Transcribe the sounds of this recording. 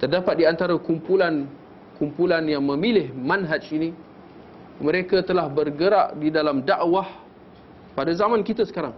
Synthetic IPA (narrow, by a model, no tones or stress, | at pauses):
t̪ərdapat̪̚diant̪aɾakumpulan | kumpulanjaŋmə̃milɪhmanɦad͡ʒini | məɾekat̪əlahbərɡəɾaʔdidalamdaʔwah | padazamãnkit̪asə̥kaɾaŋ